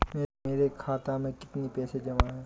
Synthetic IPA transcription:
meːeːɾekʰaːt̪amẽkɪ̥t̪nipɛːsed͡ʒɐmaɦɛː

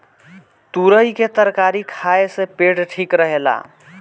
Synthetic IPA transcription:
t̪uɾəjket̪əɾkaɾikʰaesẽpeʈʈʰikɾəɦela̰

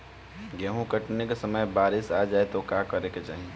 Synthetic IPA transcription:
ɡɛɦũkəʈnekesəməjbaːɾisad͡ʒaːet̪okakəɾeket͡ʃa̰ːɦi

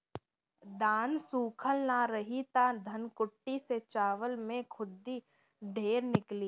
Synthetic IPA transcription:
d̪aːnsuːkʰəlnaɾəɦit̪ad̪ʱɐnkʊʈːiset͡ʃaːʋəlmẽkʰʊd̪ːi | ɖʱeːɾnɪkliː

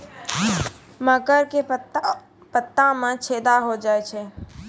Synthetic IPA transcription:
məkəɾke | pət̪ːãmãt͡ʃʰed̪aɦod͡ʒaːjt͡ʃʰɛ

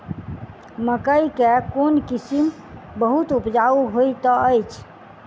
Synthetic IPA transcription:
məkəikekonkisim | bəɦut̪upd͡ʒauɦojt̪ɔəjt͡ʃʰ

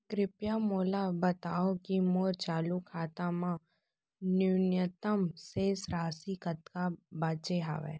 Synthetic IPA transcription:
kɾɪpjamoːlabət̪aːokimoːɾt͡ʃaːlukʰaːt̪amã | nunjət̪əmseːsɾaːsikət̪kabaːt͡ʃeɦa̰ːʋḛː

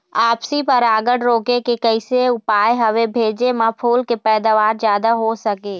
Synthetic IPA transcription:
aːpsipɐɾaːɡəɽɾoːkekekəɪseʊpaːjɦɐʋebʱeːd͡ʒemãpʰuːlkepɛːd̪aʋaːɾd͡ʒjaːd̪aɦosəkeː

